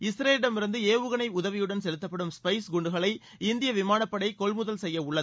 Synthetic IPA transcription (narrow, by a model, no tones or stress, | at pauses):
ɪsɾeːɾɪɽɐmɪɾɯnd̪ɯeːʋɯɣɐnɐɪʊðɐʋɪjɯɽɐnsɛlɯt̪ːɐpːɐɽɯmspɐɪsɡʊɳɖɯɣɐɭɐɪ | ɪnd̪ɪjɐʋɪmaːnɐpːɐɽɐɪkɔɭmʊðɐlsɛjːɐʊɭːɐðɯ